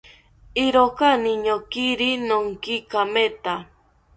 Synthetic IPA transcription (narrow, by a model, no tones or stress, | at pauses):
iɾokaniɲokiɾinoŋkikamet̪a